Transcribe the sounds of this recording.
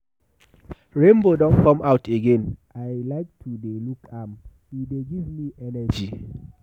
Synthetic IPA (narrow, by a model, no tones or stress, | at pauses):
ɹẽmbodɔ̃nkɔ̃maʊteɡẽnaɪlaɪk̚tʰudelukʰamhideɡivmiʔɛnɛd͡ʒi